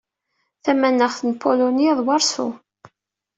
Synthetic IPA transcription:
θæmænːəχθənpʰoloniðˤwɑɾˤsṵ

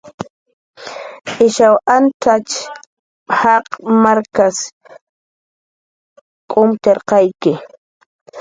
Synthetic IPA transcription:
ɪʃawʔant̪at͡ʃ | hɑqmaɾkas | kʼʊmt̪eɾqɑjkɪ

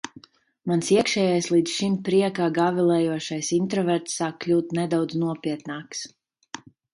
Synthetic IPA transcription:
mansiɛkʃɛːjajslˠiːd̪sʃimpɾiɛkaːɡavilˠɛːjuɔʃajsint̪ɾɔvɛɾt̪sːaːkklʲuːt̪nɛd̪awd̪znuɔpʲiɛt̪naːks

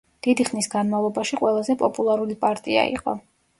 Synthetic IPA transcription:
d̪̥id̪iχnisɡanmavlˠɔbaʃiqʼwɛlˠazɛpʼɔpʼulˠaɾulipʼaɾt̪ʼia̰ḭqʼɔ̰

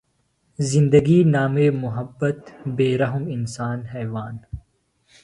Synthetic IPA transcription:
zɪ̃nd̪ɐɡiːnaːmeːmʊɦɐbːɐt̪beːɾɐɦʊmɪnsaːnhɛːʋaːn

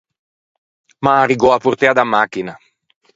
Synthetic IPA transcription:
maːriɡɔapurt̪ɛad̪amːaːkina

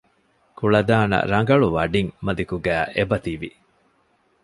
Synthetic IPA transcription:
kuɭɐd̪aːnɐ̰ɾɐŋɡɐɭuʋɐɖiŋmɐd̪ikuɡæːʔebɐt̪iʋḭ

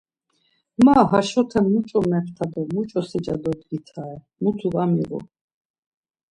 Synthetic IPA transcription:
maɦaʃɔt̪ʰɛmːut͡ʃʼɔmɛpʰt̪ʰad̪ɔmut͡ʃʼɔsɛd͡ʒad̪ɔd̪ɡit̪ʰaɛ | mut̪ʰuvamiɾɔ̰

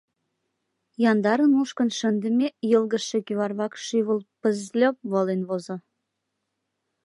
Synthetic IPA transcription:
jɑnd̪ɑɾənuʃkə̆nʃənd̪ə̆mʲejəlˠɣə̆ʃĕkyβɑrβɑkʃiβəlpəzlʲop̚βolenβozŏ

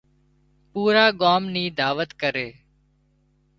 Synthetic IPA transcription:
puːɾaːɠaːmniːd̪aːʋət̪kəɾeː

